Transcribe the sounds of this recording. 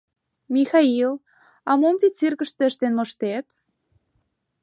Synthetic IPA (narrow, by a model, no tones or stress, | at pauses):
mʲixɑil | ɑmomt̪it͡sirkə̆ʃt̪ĕə̆ʃt̪enmŏʃt̪et̪